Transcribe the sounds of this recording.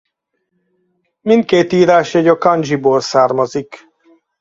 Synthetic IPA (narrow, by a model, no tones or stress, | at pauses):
mint̪̚keːt̪iːɾaːʃɛɟɒkɒnd͡ʒiboːlsaːrmɒzik